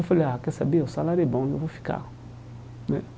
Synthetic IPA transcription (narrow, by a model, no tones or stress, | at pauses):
feleakɛsabeosalaɾebãofofi̥ka̰ | nɛ̰